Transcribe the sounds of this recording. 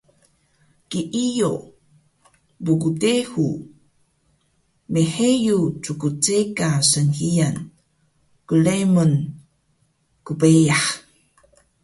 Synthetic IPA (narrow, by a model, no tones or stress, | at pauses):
kiʔijo | bukutehu | meħejut͡sukut͡sekasənhijan | kulemun | kubejaħ